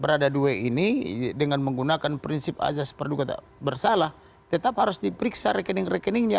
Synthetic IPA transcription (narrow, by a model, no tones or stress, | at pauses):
bəɾadaduɛinidəŋanməŋɡunakanpɾinsɪp̚a̰zaspərd̪ukat̪a̰ | bərsalah | t̪ɛt̪aphaɾusdipəɾiksaɾɛkɛnɪŋrɛkɛnɪŋɲa